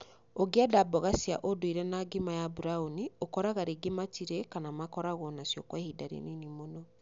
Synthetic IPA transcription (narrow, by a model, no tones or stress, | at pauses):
oɡeadabɔɣasia̰ʔodoiɾɛnaɡimajabuɾauniokɔɾaɣaɾeɡematiɾekanamakɔɾaɣɔnasjɔkwahidaɾḛninimonɔ